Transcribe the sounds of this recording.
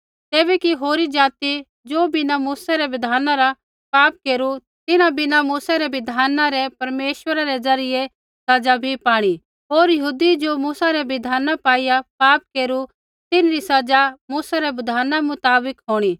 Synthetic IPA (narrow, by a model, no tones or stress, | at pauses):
t̪eːβɛkiɦoːɾid͡ʒaːt̪i | d͡ʒoːbɪnamuːsaɾɛʋɪd̪ʱaːnaɾa | paːp̚keːɾu | t̪ɪnãbɪnamuːsaɾɛbɪd̪ʱaːnãɾɛpɐɾmeːʃwəɾaɾɛd͡ʒɐɾɪje | sɐd͡ʒabʱipaːɽ̃i | ɦoːɾjɐɦuːd̪id͡ʒomuːsaɾɛbɪd̪ʱaːnapaːijapaːp̚keːɾu | t̪ɪnɾisɐd͡ʒamuːsaɾɛbɪd̪ʱaːnamʊt̪aːbəkɦoːɽ̃i